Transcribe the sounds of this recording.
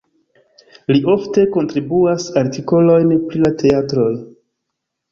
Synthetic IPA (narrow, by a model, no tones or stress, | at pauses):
liʔo̞fte̞ko̞ntɾibuasaɾtiko̞lo̞jnpɾilatʰe̞atɾo̞j